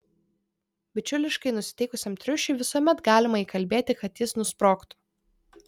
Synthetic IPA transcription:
bʲɪt͡ʃʲʊlʲɪʃkɐɪnʊsʲɪ̥t̪ʲɛɪkʊsʲɛmt̪ʲɾʲʊʃʲʊɪʋʲɪsuɔmʲɛt̪ɡɑːlʲɪmɐiːkɐlʲbʲeːt̪ʲɪkɐt̪jɪsnʊspɾoːkt̪ʊ̥

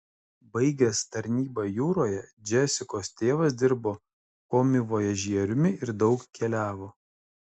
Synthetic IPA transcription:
bɐɪɡʲɛst̪ɐɾʲnʲiːbɑjuːɾoːjɛd͡ʒʲɛsʲɪkoːst̪ʲeːʋɐs̬d̪ʲɪɾboː | koːmʲɪʋoːjɛʒʲiɛɾʲʊmʲɪɪɾd̪ɒʊkkʲɛlʲæːʋoː

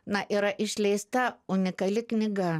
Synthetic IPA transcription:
nɐʔiɾɐʔɪʃʲlʲɛɪst̪ɐʊnʲɪkɐlʲɪknʲɪɡɐ

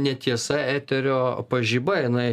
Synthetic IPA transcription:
nʲɛt̪ʲiɛsɐæːt̪ʲɛɾʲoːpɐʒʲiːbɐɪnɐɪ

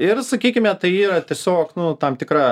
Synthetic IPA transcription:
ɪrsɐkʲiːkʲɪmʲɛt̪ɐɪiːɾɐt̪ʲiɛsʲoːknʊt̪ɐmt̪ʲɪkrɐ

